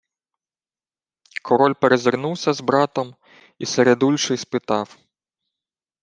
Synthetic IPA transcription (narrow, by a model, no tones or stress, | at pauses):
kʰɔɾɔlʲpeɾezɪrnuwsʲɐzbɾɑt̪ɔm | iseɾed̪ulʲʃɪspɪt̪ɑw